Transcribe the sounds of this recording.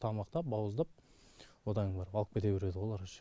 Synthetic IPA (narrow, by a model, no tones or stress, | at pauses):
t̪ʰɑmɑqt̪ɑp̚bɑwəzd̪ɑp̚ | wod̪ɑnəɴbɑɾbɑlˠəq̚pʲet̪̬eweɾe̞d̪ɪwo̞lˠɑɾʃ